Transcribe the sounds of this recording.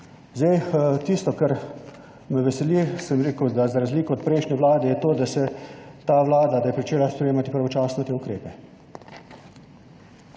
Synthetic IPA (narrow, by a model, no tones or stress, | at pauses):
zd̪ɛjt̪ist̪ɔkaɾ | mɛʋɛsɛlisəmɾeːkəwd̪azaɾazliːkɔɔt̪̚pɾɛɪjʃnʲɛʋlaːd̪ɛjɛt̪oːd̪asɛt̪aːʋlaːd̪ad̪ajɛpɾit͡ʃeːlajspɾʲeɛjeːmat̪ipɾaʋɔt͡ʃaːsnɔt̪eːukɾeːpɛ